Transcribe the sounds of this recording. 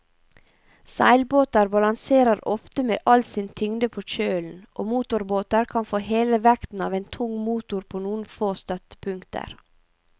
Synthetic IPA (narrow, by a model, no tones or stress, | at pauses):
sæ̰ɪlboːt̪əɾbɑlɑŋseːɾəɾɔft̪əmḛːʔɑlt̪sɪːnt̪ʰʏŋd̪əpʰoːc͡çøːln̩ʔo̰ːmuːt̪ʊɾboːt̪əɾkʰɑnfoːheːləʋækt̪n̩ɑ̰ːʋeːnt̪ʰʊŋmuːt̪ʊɾpʰoːnuːən̩foːst̪œt̪ə̥pʰʉŋkt̪ʰə̰ɾ